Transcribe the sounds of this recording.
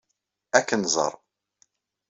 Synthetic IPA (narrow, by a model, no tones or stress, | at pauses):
ækːənzˤə̰ɾˤ